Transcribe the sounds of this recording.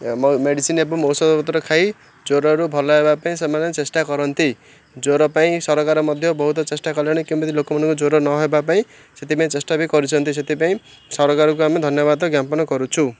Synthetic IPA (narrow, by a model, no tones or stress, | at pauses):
mʌmeɽisinebʌmowsʌd̪pʌt̪rʌkʰaj | d͡zoɾʌɦʌɾubʱʌlaebapaĩsʌmanʌt͡sesʈakʌɾʌnt̪ʰi | d͡zoɾʌpaĩsʌɾʌkaɾʌmʌd̪ʱjobʌɦut̪ʌt͡sesʈakʌljeɽ̃ʌkimbʌt̪ilokmʌnkod͡zoɾʌnʌɦʌebapaĩ | sʌt̪ipaĩt͡sesʈabikʌɾut͡sʰʌnt̪ʰis̬ʌt̪ipaĩ | sʌɾʌkaɾukoamad̪ʱʌnjʌβad̪ʌɡjampʌnʌkʌɾut͡sʰu